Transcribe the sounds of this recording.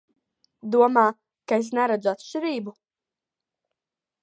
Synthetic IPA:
d̪uɔmaː | kaes̬nɛɾad̪zuat̪ʃt͡ʃiɾiːbu

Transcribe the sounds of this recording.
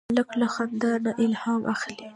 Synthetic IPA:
ləklaxand̪anaʔɪlhɑmʔa̰xli

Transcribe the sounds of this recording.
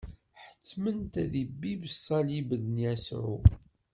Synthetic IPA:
ħə̥t͡sːmənt̪æðibːibəsːɑlibəðənjæsʕṵ

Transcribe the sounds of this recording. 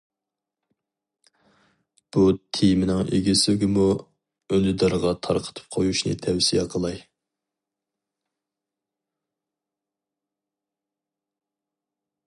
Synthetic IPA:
b̥ut̪ʰejmɪnɪŋʔḛɡʲisɪyɡʲɪmu | ønɪd̪ɑɾʁɑt̪ʰɑ̰ɾqʰə̥t̪ʰɨ̥p̚qʰojuʃnɨ̰t̪ʰɛwsijɛqʰəlˠɑj

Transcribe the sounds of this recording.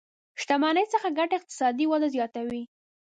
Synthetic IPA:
ʃt̪amɑnəjt͡səxaɡaʈaɪq̚t̪ɪ̥sɑd̪iwad̪azjɑt̪awi

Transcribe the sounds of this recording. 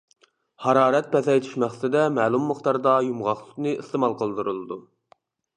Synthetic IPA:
hɑɾɑːɾɛt̪̚pɛθɛjt̪ʰi̥ʃmæχssɨd̪ɛmæːlˠumːəχt̪ɑɾd̪ɑjumʁɑχlˠɨqnɨist̪əmɑlˠqʰəlˠd̪ɨɾɨlˠɨd̪u

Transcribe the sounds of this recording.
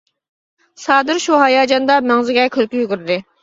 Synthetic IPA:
sɑːd̪ɪɾʃuɦɑjɑːd͡ʒɑnd̪ɑmɛŋzɪɡʲɛkʲʰølkʲyjyɡʲyɾd̪ɪ

